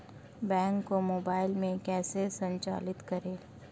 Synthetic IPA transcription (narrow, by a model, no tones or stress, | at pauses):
bɛ̃ːŋkːomoːbaːɪlmẽkɛːsesɐ̃ɲt͡ʃa̰ːlɪt̪kɐɾeː